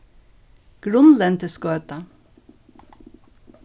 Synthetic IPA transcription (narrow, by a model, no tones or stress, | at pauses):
ɡ̥ɹʊnlɛnt̪ʰɪskøːt̪a